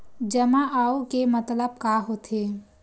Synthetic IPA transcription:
d͡ʒəmaʔaːokemət̪ləb̚kaɦot̪ʰe

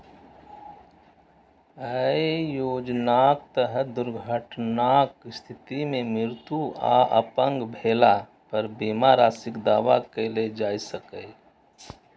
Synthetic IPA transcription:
əijoːd͡ʒnaːk̚t̪əɦəd̪ʊɾɡʱəʈnakst̪ʰɪt̪imẽmɪɾt̪ua̰ːʔə̰pə̃ŋɡbʱeːla | pəɾbiːmaːɾaːsɪkd̪aːʋakeled͡ʒaːisəkəj

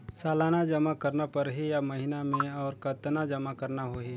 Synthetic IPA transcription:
saːlaːnad͡ʒɐmakɐɾnapɐɾɦejamɐɦɪnamẽɔːɾkɐt̪nad͡ʒɐmakɐɾnaɦoɦeː

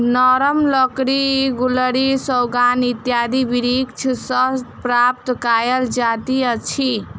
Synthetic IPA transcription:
nɔɾəmlɔkɾiɡuləɾisəwɡanit̪jad̪ibiɾikt͡ʃʰsəst̪pɾap̚t̪kajəld͡ʒat̪iət͡ʃʰi

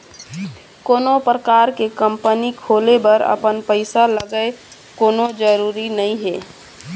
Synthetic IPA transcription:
koːnopɾəkaːɾkekəmpənikʰoːlebəɾə̰pənpəɪsaləɡəe | koːnod͡ʒəɾuːɾinəɦĩɦeː

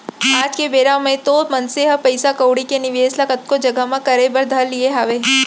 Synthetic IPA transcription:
aːd͡ʒkebeːɾamẽt̪omənseɦəpɐjsakəwɽikenɪʋeːslakət̪̚kod͡ʒɐɡəmãkɐɾebəɾd̪ʱəlːieɦaʋeː

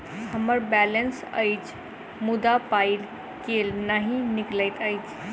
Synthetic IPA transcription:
həməɾbɛlənsə̰ɪt͡ʃʰ | mud̪apaɪl | kelnaɦĩnikləɪt̪əɪt͡ʃʰ

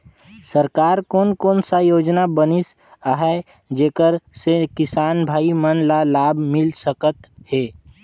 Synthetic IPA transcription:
səɾkaːɾkoːnkoːnsajoːd͡ʒnabənɪs | aɦɛ | d͡ʒeːkəɾsekɪsaːnbʱaːimənlalaːbʱmɪlsəkət̪ɦeː

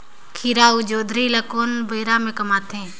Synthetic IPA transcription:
kʰiːɾaːud͡ʒoːd̪ʱɾiːləkoːnbəːɾaːmẽːkəmaːt̪ʰẽː

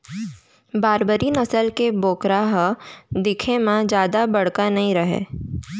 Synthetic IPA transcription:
baːɾbəɾinɐsəlkeboːkɾaɦd̪ɪkʰemãd͡ʒjaːd̪abɐɽ̤kanɐɦĩɾɐɦḛː

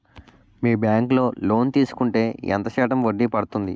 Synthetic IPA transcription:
miːbjaːŋklo̞ːlo̞ːnt̪iːsu̥kuɳʈe̞ːɛ̰nt̪ɐt͡ʃɛːʈɐmʋoɖːipɐɽut̪und̪ḭ

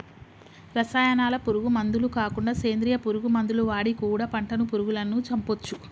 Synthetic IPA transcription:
ɾɐsaːjɐnaːlɐpuɾuɡumɐnd̪ulukaːkuɳɖaːseːnd̪ɾijɐpuɾuɡumɐnd̪uluʋaːɽikuːɽɐpɐɳʈɐnupuɾuɡulɐnːut͡ʃɐmpot͡ʃːu

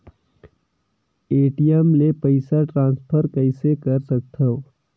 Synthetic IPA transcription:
eːʈijɛmlepəɪsaʈɾãːnspʰəɾkəɪsekəɾsɐk̚t̪ʰəo

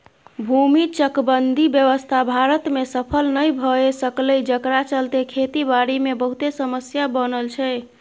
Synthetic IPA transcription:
bʱumit͡ʃəkbənd̪ʱibjəʋəst̪ʰabʱaɾət̪mesəpʰəlnəjbʱəesəkləjd͡ʒəkɾat͡ʃəlt̪ekʰet̪ibaɾimebəɦut̪esəməsjabənəlt͡ʃʰɛ

